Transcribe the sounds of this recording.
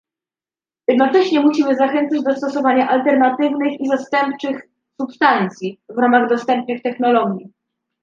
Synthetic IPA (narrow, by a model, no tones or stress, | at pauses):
jɛd̪nɔt͡ʂɛɕɲɛmuɕimɘzaxɛnt̪sad͡ʑd̪ɔst̪ɔsɔvaɲaʔalt̪ɛɾnat̪ɘvnɘxizast̪ɛmpt͡ʂɘx | supst̪ant̪sʲjivɾamaɣd̪ɔst̪ɛmp̚nɘxt̪ɛxnɔlɔɡʲji